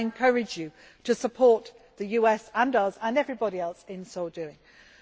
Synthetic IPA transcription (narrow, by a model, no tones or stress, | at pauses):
ɪ̃nkʰʌɹɪd͡ʒjə | tʰəsəpʰɔˑʔ | ðəjʉːɛsə̃ndəzə̃nɛvɹɪbɒɾiɛlˠsɪ̃nsoʊdʉɪ̃ŋ